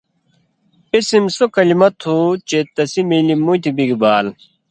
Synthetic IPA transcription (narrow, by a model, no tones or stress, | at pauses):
isimsokɐlimɐt̪ʰːuːt͡ɕeːt̪ɐsimilimut̪ʰibiɡibaːl